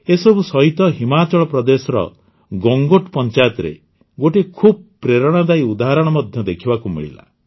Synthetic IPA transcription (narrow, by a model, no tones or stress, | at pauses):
esɔbusɔɦit̪ɔɦimat͡ʃɔɭɔpɾɔd̪esɔɾɔ̰ | ɡɔŋɡoʈpɔnt͡ʃajɔt̪ɔɾḛ | ɡoʈekʰub̚pɾeɾɔɽ̃ɔd̪aiud̪aɦaɾɔɽ̃ɔmɔd̪ʱjɔd̪ekʰibakumḭɭḭla̰